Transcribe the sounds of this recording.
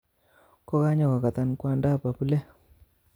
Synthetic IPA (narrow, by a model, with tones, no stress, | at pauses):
kɔ˦ka˦ɲɔ˨ka˨ka˨t̪a˦nkwa˦nda˦˨pa˨pu˦lɛ˦